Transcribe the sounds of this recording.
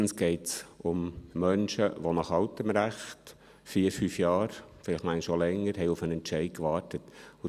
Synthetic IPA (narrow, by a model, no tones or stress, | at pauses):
n̩sɡ̥ɛɪtsʊmːœnʃəʋonɑχɑʊtəmɾæχt | fiːɾfyːfjɑːɾfɪlɪχmæɪnʃolɛŋːəɾɦɛɪufənɛntt͡ʃɛɪt̚kʋɑːrtətʊ